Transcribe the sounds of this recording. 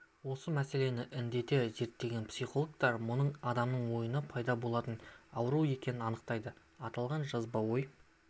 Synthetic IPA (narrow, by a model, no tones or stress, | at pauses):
wo̞səmæse̞le̞nɪʔɪnd̪e̞t̪e̞ze̞ɾt̪ːe̞ɡʲe̞npsiχo̞lˠək̚t̪ɑɾmʊnəɴɑd̪ɑmnəɴwo̞jənəpʰɑjd̪ɑbo̞lˠɑt̪ənɑwəɾue̞kʲe̞nɪnɑnəqt̪ɑjd̪ə | ɑt̪ɑlˠʁɑnʒɑzbɑwo̞j